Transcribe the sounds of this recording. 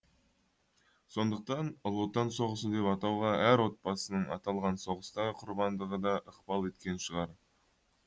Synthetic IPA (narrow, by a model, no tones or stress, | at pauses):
so̞nd̪əq̚t̪ɑnlˠot̪ɑnso̞ʁəsəd̪e̞pɑt̪ɑwʁɑʔæɾwo̞t̪̚pɑsənəɴɑ̰t̪ɑlˠʁɑnso̞ʁəst̪ɑʁəqʰʊɾbɑnd̪əʁəd̪ɑʔəqb̥ɑlˠe̞t̪kʲe̞nʃəʁɑɾ